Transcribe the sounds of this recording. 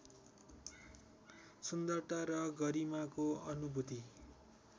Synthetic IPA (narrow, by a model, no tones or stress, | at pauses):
sund̪ʌrt̪aɾʌɡʌɾimakoʌnubʱut̪i